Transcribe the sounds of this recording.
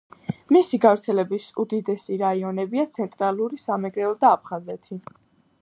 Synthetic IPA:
misiɡavɾt̪sʰɛlɛbisud̪id̪ɛsiɾaiɔnɛbiat̪sʰɛnt̪ʼɾalˠuɾisamɛɡɾɛɔd̪aːpʰχazɛt̪ʰi

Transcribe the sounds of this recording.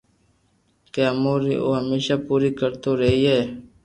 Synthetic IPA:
keəmoːɾḭʔo̰ːɦəmeːʃaːpuːɾiːkəɾt̪oːɾəɦiɦeː

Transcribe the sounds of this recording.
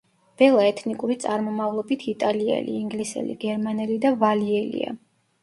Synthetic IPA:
b̥ɛlˠaɛt̪ʰnikʼuɾit̪sʼaɾmɔmavlˠɔbit̪ʰit̪ʼaliɛ̰lḭːŋɡlisɛ̰lḭɡ̥ɛɾmanɛlid̪avaliɛlḭa̰

